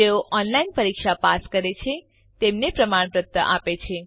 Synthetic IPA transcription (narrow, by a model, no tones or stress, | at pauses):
eoʔɔnlainpəɾikʃapaskəɾet͡ʃʰe | t̪emnepɾəmaɳ̃pɾət̪ːə̰ʔa̰pet͡ʃʰe